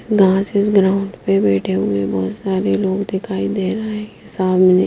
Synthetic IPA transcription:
sɡãːt͡ʃɪsɡɾaːʊ̃ɳɖpebɛːʈʰeɦʊ̃ɡebɔːt̪saːɾeloːɡd̪ɪkʰaːid̪eːɾaɛɪsaːbmɛne

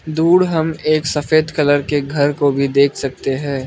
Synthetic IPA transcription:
d̪uːɽɦɐmeːksɐfeːd̪kɐləɾkeɡʱɐɾkobʱid̪eːkʰsɐk̚t̪eɦɛ̃ː

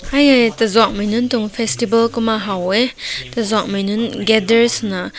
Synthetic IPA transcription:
hajajtɐzwak̚majnɯntuŋpʰestibɐlkumaɦawetɐzwak̚majnɯnɡedeɾsna

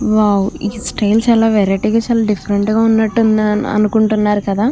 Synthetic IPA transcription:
ʋaːwiːsʈɐjlt͡ʃaːlaːʋeɾɐʈiːɡaːt͡ʃaːlaːɖifʰɐɾeɳʈɡaːunːɐʈːun̰ɐ̰nukuɳʈunːaːɾukɐd̪aː

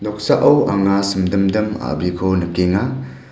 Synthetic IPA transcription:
dɔk̚saʔɐwaŋasɯmdɯmdɯma̰bikʰɔnɯkeŋa

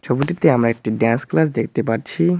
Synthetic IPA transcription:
t͡ɕʰobuʈit̪eamɾaek̚ʈiɖansklas̬d̪ek̚ʰt̪epaɾt͡ɕʰi

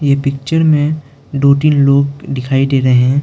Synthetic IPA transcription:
jepɪk̚t͡ʃəɾmẽ | ɖoːʈiːnloːɡd̪ɪkʰaːid̪eːɾɐɦɦɛ̃ː

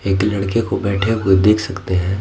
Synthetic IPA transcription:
eːklɐɽkekobɛːʈʰeked̪eːkʰsɐkt̪eɦɛ̃ː

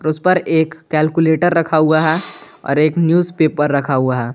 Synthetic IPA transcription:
ɔɾʊspɐɾeːkːɛːlkuleːʈəɾːɐkʰaɦuaɦɛ | ɔ̰ːɾeːknjuːzpeːpːɐɾːɐkʰaɦuaɦɛː

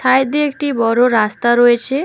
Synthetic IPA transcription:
sʰajd̪iekʈibɔɾoɾast̪aɾoet͡ʃʰe

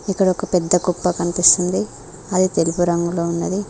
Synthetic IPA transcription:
ikːɐɽɐɔkɐpɛd̪ːɐkupːɐkɐnipist̪und̪i | ɐd̪it̪elupuɾɐŋɡuloːunːɐd̪i

